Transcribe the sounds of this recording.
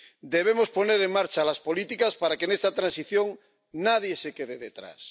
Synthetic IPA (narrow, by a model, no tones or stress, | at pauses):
d̪eβ̞emo̞spo̞ne̞ɾeŋmaɾt͡ʃalaspo̞lit̪ikaspaɾakene̞st̪at̪ɾãnsiθjõ̞ŋ | naðje̞sekeðeðet̪ɾa̰s